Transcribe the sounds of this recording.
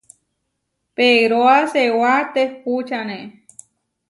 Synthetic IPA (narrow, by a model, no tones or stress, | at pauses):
peɾoasewat̪ekut͡ʃanẽ